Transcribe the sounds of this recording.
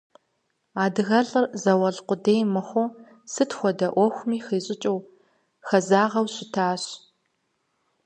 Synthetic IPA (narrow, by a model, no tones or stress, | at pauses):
aːdɨɣɐɮʼɨrzɐwɐɮqʷʊdeːjmɨxʷʊ | sɨtʰxʷɔdɐʔʷɔxʷmiːxiːɕʼɪt͡ʃʼɪw | xɐzaːʁɐwɕʼɪtʰaːɕ